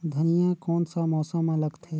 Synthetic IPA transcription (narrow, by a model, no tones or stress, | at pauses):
d̪ʱənijãkɔːnsamɔːsəmːãləɡt̪ɦɛ